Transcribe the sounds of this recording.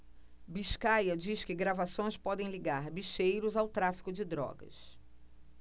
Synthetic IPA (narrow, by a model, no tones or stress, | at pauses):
biʃkajɐd͡ʒiskɪɡɾavasõj̃spɔd̪ẽj̃liɡaɾbiʃejɾʊzawt̪ɾafi̥kʊd͡ʒɪd̪ɾɔ̰ɡɐ̰s